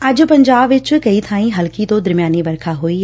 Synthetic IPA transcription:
ɐʄʊ̆pɐ̃ɲd͡ʑaːbʋɪt͡ɕʊ̆kɐit̪ʰãːĩɦɐlkit̪od̪ɐɾmijaːniʋɐɾkʰaɦui

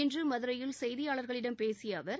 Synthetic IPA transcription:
ɪndrɯmɐðɯɾɐjɪlsɛjðɪjaːɭɐɾɣɐɭɪɽɐmpeːsɪjɐʋɐɾ

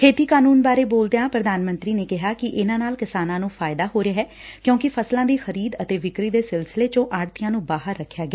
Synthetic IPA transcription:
kʰeːt̪iːkaːnuːnbaːɾeːboːld̪ejãːpɾəd̪aːnmə̃nt̪ɾiːneːkɪɦaːkɪʔɪnãːnaːlkɪsaːnãːnũːpʰaːɪd̪aːɦoːɾɪjaːɦɛː | kjõːkɪpʰəslãːd̪iːxəɾiːd̪ət̪eːʋɪkɾiːd̪eːsɪlsɪleːt͡ʃõːʔaːɽt̪ɪjãːnũːbaːɦəɾːəkʰːjaːɡɪɛː

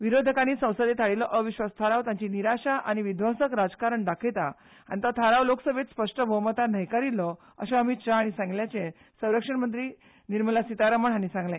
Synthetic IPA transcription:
ʋiɾod̪ʱəkañiːsə̃w̃səd̪et̪ʰaɽilɔʔəʋiɕʋast̪ʰaɾawt̪ãɲt͡ɕiniɾaɕaʔañiʋid̪ʱʋə̃səkɾad͡zkaɾəɳɖakʰet̪a | a̰ñit̪ət̪ʰaɾawloksəbʱet̪spəʂʈəbʱəwmət̪anəjkaɾilɔ | əɕãəmit̪ɕaaɽ̃isãŋɡljat͡sẽ | sə̃w̃ɾəkʂəɳmənt̪̬ɾiː | niɾməlasit̪aɾəməɽ̤ɦanisãŋɡlẽ

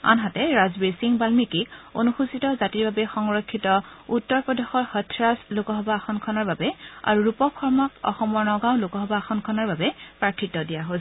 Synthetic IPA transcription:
a̰nɦatɛɹazbesiŋbalmikiko̰nuxusitɔzatiɹbabɛxɔŋɹɔkʰːitɔutːɔɹpɹɔdexɔɹhɔtʰɹaslokɔɦɔbaːxʰɔnkʰɔnɔɹbabɛa̰ɹuɹupɔkʰɔɹmɔkɔ̰xɔmɔɹnɔɡaw̃lokɔɦɔbaxʰɔnkʰɔnɔɹbabɛpɹaɹkʰitːɔdijaɦo

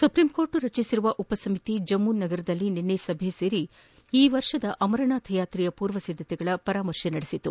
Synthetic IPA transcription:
supɾimko̞ːɾʈuɾɐt͡ʃisiɾuʋɐʔupɐsɐmit̪id͡ʒɐmːunːɐɡɐɾɐd̪ɐlːininːesɐbʱeseːɾi | iːʋɐɾʂɐd̪ɐʔɐmɐɾɐɳaːt̪ʰɐjaːt̪ɾijɐpuːɾʋɐsid̪ʱːɐt̪ɛɡɐɭɐpɐɾaːmɐɾʂenɐɽisit̪ːu

